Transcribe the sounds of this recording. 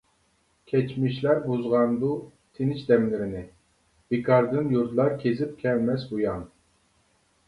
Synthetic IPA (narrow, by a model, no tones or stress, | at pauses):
kʲʰɛt͡ʃmiʃlæɾbuzʁɑnb̪u | t̪ʰenɪt͡ʃd̪ɛmlɪɾɪnɪ | b̥ekʰɑɾd̪ɨnjuɾd̪lˠɑɾkʲʰezɪp̚kʲʰɛlmɛsbujɑn